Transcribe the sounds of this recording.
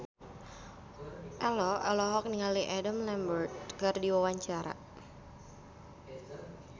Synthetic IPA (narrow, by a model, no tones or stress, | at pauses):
ʔɛlɔʔɛlɔɦɔk̚niŋaliʔɛdəmlɛmbərt̪̚kərdiwawaɲt͡ʃaɾa̰